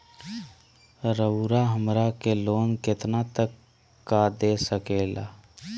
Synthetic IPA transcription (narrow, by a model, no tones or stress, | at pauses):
ɾəʊɾaɦəmɾakeloːnkɪt̪nat̪əkː | ad̪esəkela̰ː